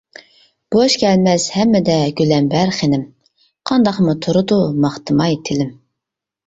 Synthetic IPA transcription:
b̥oʃkʲʰɛlmɛz̥hɛmːɛd̪ɛɡʲylɛmbæɾχenɪm | qʰɑnd̪ɑqmut̪ʰuɾʊd̪umɑχt̪ɨmɑjt̪ʰɪlɪm

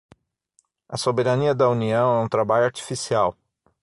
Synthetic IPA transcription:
ɐsobeɾaniɐd̪ɐuniɐ̃w̃ɛũt̪ɾabaʎʊaɾt͡ʃi̥fisiaw

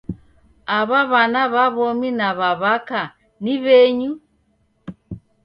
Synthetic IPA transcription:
aβaβanaβaβɔminaβaβaka | niβɛɲu

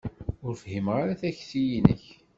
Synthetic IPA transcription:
ʊɾfɦimʁaɾaθæçθijinə̰ç

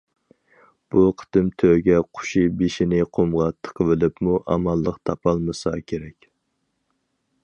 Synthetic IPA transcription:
b̥uqʰə̥t̪ɨmt̪ʰøɡʲɛqʰʊ̥ʃibeʃinɪqʰomʁɑt̪ʰə̥qʰəvɪlɪpmuʔɑ̰mɑlˠːəqt̪ʰɑpʰɑlˠmɨsɑkʲʰeɾɛkʲ

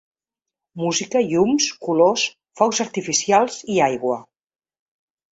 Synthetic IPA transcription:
muzikəiumskulos | fɔwzəɾt̪ifisialˠziajɣwə

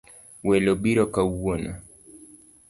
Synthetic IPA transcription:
wɛlɔɓiɾɔkawwɔna̰

